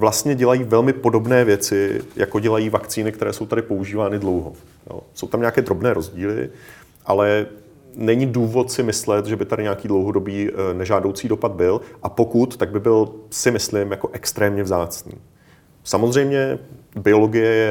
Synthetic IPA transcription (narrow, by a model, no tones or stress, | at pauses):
vlast̪ɲɛɟɛlajiːvɛlmɪpo̞do̞bnɛːvjɛt͡sɪjʔako̞ɟɛlajiːvakt͡siːnɪkt̪ɛɾɛːso̞wt̪aɾɪpo̞uʒiːvaːnɪdlo̞wɦo̰ | jo̰ːso̞̰wt̪amɲaːkɛːd̪ɾo̞bnɛːɾo̞zɟiːlɪ̰ | ʔalɛ | nɛɲɪduːvo̞t̪sɪmɪslɛt̪ʒɛbɪt̪adɪɲɛakiːdlowɦo̞do̞biːnɛʒaːdowt͡siːdopad̪̚bɪlʔapo̞kut̪ːaɡ̚bɪbɪlsɪmɪslɪmjako̞ʔɛkst̪ɾɛːmɲɛvzaːt͡snḭː | samozr̝ɛjmɲɛbɪo̞lo̞ɡɪjɛjɛ